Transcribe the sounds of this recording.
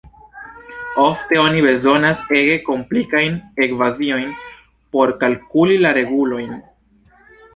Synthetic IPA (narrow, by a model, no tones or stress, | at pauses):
o̞fte̞o̞nibe̞zo̞nase̞ɡe̞ko̞mplikajne̞kvazio̞jn | po̞ɾkalkulilaɾe̞ɡulo̞jn